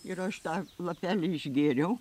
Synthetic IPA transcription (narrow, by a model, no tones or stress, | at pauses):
ɪɾɐʃt̪ɑːlˠɐpʲæːlʲɪɪʒʲɡʲeːɾʲɛʊ